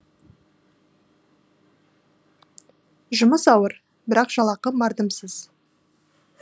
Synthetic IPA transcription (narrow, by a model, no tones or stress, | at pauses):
ʒʊməsɑwəɾ | bɪɾɑqʒ̥ɑlˠɑqəmɑɾd̪əmsəz̥